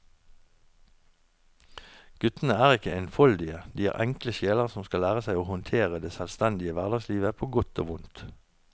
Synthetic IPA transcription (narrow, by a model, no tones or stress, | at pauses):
ɡ̥ʉt̪n̩əæːʁɪkəeɪnfɔld̪ɪəd̪iːæ̰ːʁʔɛŋkləʃeːləʁsɔmskɑlæːʁəsæɪoːhʊnt̪ʰeːʁəd̪eːsɛlst̪ɛnd̪ɪəʋæʁd̪ɑɡsliːʋəpʰoːɡʊt̪o̰ːʋʊnt̪